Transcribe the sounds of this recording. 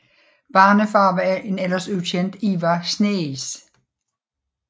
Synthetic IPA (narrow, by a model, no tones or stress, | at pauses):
b̥ɑːnəfɑ̈ːʋææʔe̝nelɐsʉðˠɕʰend̥iːʋɑsneis